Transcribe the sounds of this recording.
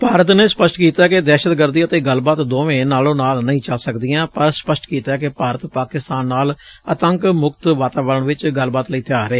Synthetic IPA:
paːɾət̪neːspəsʈkiːt̪aːked̪ɛːʃət̪kəɾd̪iət̪eːɡəlbaːt̪d̪oːʋẽːnaːlõːnaːlnəĩːt͡ʃəlsəkd̪ɪjãːpəɾspəsʈkiːt̪aːkɪpaːɾət̪paːkɪst̪aːnːaːl | ət̪əŋkmʊk̚t̪ʋaːt̪aːʋələɳʋɪt͡ʃɡəlbaːt̪ləiːt̪ʰɪaːɾeː

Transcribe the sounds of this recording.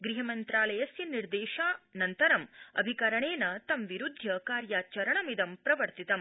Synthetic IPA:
ɡɾiɦɐmɐnt̪ɾaːlɐjɐsjɐniɾd̪eːʃaːnɐnt̪ɐɾɐmɐ̰bʱikɐɾɐɳeːnɐt̪ɐmʋiɾud̪ʱjɐkaːɾjaːt͡ʃɐɾɐɳɐmid̪ɐmpɾɐʋɐɾt̪it̪ɐm

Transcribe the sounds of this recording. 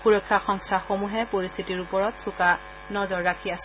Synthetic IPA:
puɹɔkʰːaxɔŋstʰaxomuɦɛpoɹist̪ʰitiɹupɔɹɔtsuka | nɔzɔɹːakʰias

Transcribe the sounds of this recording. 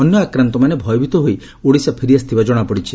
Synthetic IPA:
ɔnjɔakɾant̪ɔmanebʱɔjɔbʱit̪ɔɦoi | uɽisapʰiɾiast̪ʰibad͡ʒɔɽ̃apɔɽit͡ʃʰi

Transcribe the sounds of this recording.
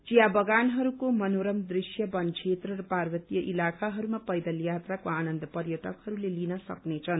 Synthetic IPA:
t͡sijabʌɡanɦʌɾukomʌnoɾʌmd̪risjʌbʌnt͡sʰet̪rʌrʌparwʌt̪ijʌʔilakʰaɦʌɾumapʌjd̪ʌljat̪rakoanʌnd̪ʌpʌrjʌʈʌkhʌɾulelinʌsʌ̰knet͡sʰʌn

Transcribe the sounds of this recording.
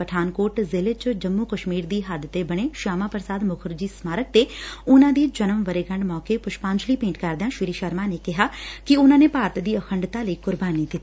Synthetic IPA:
pəʈʰaːnkoːɾʈzɪlet͡ʃd͡ʒəmːuːkəʃmiːɾd̪iːɦəd̪t̪ebəɽ̃eːʃaːmãːpəɾsaːd̪mʊkʰəɾd͡ʒiːsmaːɾək̚t̪eːʊnãːd̪iːd͡ʒənəmʋəɾeːɡə̃ɳɖmɔːkeːpʊʃpãːɲd͡ʒliːpẽːɳʈkəɾd̪ejãːʃiɾiːʃəɾmaːneːkɪɦaːkɪʊnãːneːpaːɾət̪d̪iːəkʰəɳɖt̪aːləiːkʊɾbaːnid̪ɪt̪ːi

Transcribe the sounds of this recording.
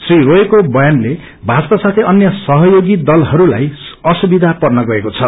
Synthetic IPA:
sriɾoekobʌjanle | bʱat͡spasat̪ʰeʌnjʌsʌɦʌjoɡid̪ʌlɦʌɾula̰jʌsubid̪ʱapʌrnʌɡʌekot͡sʰʌ

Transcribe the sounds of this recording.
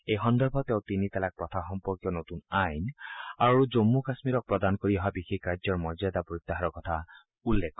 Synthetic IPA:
ejxɔnd̪ɔɹbʱɔt̪ew̃t̪init̪ɛlak̚pɔt̪ʰaxɔmpɔɹkjɔnot̪unajnaɹud͡ʒomːukasmiɾɔk̚pɹɔd̪anɔkoɹiɔɦabixekːaɹd͡ʒɔɹmɔzad̪apɔit̪ːaɦaɾɔkɔt̪ʰa | ulːekɔ

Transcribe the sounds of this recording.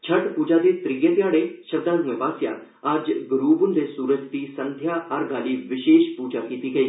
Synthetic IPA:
t͡ʃʰɐʈpuːd͡ʒad̪et̪ɾijet̪jaːɽ̃eʃɐd̪aːlnɪʋaːsjã̰ | ad͡ʒɡɾuːbʊnd̪esuːɾəkt̪isɐ̃nd̪ʱjaɐɾɡaːliʋɪʃeːʃpuːd͡ʒakiːt̪iɡɐiː

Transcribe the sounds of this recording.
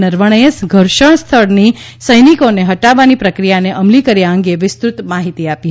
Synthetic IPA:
nəɾʋəɳ̃əjəsɡʱəɾʃəɳ̃st̪ʰəɽni | səjnikoneɦəʈaʋːanipɾəkɾijaneʔəmlikəɾjaə̃ŋɡeʋɪst̪ɾut̪maɦit̪iapi

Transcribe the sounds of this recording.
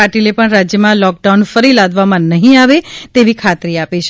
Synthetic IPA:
aʈilepəɳɾad͡ʒjəmãlɔk̚ɖawunfəɾilad̪ʱʋamãnəɦĩaʋet̪eʋikʰat̪ɾiapet͡ʃʰ

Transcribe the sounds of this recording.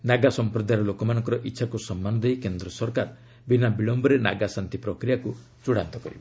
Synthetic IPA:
naɡasɔmpɾɔd̪ʱajɾɔlokɔmanɔŋkɔɾɔʔitːʃʰakusɔmːanɔd̪ejkend̪ɾɔsɔɾkaɾ | binabiɭɔmbɔɾena̰ɡasant̪ipɾɔkɾijaku | t͡ʃuɽant̪ɔkɔɾibɔ

